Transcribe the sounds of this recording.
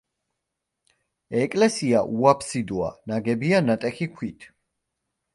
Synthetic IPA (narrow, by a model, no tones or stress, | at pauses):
ɛkʼlɛsiaʔuapʰsid̪ua̰naɡɛbianat̪ʼɛχikʷʰwit̪ʰ